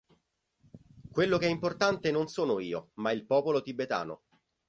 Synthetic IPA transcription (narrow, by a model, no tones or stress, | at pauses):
kwelːokeɛimport̪ant̪enonsoːnoiːomailpɔːpolot̪ibːet̪a̰ːno̰